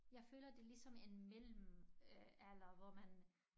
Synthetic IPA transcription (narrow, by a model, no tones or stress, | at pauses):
jɑ̈ɪfø̰ːlɐd̥e̝lisɒ̽me̝nmel̰m̩ | æl̰ɐʋɒmæn